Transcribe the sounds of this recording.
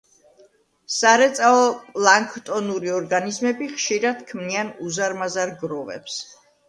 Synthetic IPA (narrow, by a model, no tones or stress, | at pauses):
saɾɛt̪sʼaɔpʼlˠaŋkʰt̪ʼɔnuɾiɔɾɡanizmɛbiχʃiɾad̪̥kʰmnianuzaɾmazaɾɡɾɔvɛ̰ps